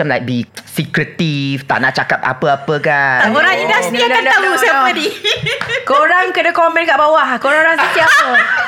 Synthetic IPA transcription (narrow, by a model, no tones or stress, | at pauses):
əmlajk̚bisikɾət̪ift̪a̰ʔnaʔt͡ʃakapa̰pəapəkaoɾaŋɲidasnanandalusaədi | koɾaŋkənakɔmɛ̃nɡaʔbawahkoɾaŋoɾaŋsət̪iaə